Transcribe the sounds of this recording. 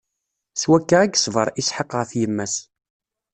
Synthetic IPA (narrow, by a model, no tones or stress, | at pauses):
swækːaæɡsvəɾˤisħɑqːəʁθjəmːæs